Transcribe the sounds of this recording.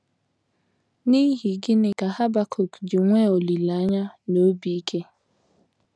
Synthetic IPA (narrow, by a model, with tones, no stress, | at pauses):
ni˦ɦi˨ɡɪ˦ne˨ka˨ha˦ba˦kʰo˨kdɪ˨ŋʷe˦o˨li˨la˨a˦ɲa˦no˦bi˨˦kʰe˦